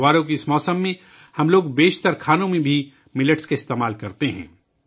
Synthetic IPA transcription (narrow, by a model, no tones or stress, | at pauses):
aːɾõkiɪsmɔːsəmːẽ | hɐmloːɡbeːʃt̪əɾkʰaːnõmẽbʱi | mɪləʈskaɪst̪eːmaːlkɐɾt̪eɦɛ̰̃ː